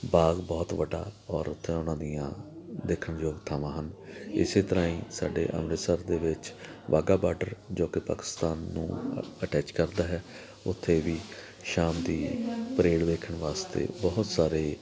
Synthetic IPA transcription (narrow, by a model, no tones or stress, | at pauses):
baːɡbɔːt̪ʋəɖːa̰ːɔːɾʊt̪ʰːẽːʊnãːd̪ijã̰ːd̪eːkʰːəɳjoːɡt̪ʰaːʋãːɦənɪ̰seːt̪əɾãːĩːsaːɖḛːʔə̰mɾeːsəɾd̪eːʋɪt͡ʃʋʔa̰ːɡaːbaːɾɖəɾd͡ʒoːkɪpa̰ːkɪ̥st̪aːnːṵ̃ːəʈɛːt͡ʃkəɾd̪aːɦɛː | ʊt̪ʰːeːʋiː | ʃaːmd̪iːpəɾeːɽʋeːkʰəɳʋaːst̪ḛːbɔɦʊt̪saːɾeː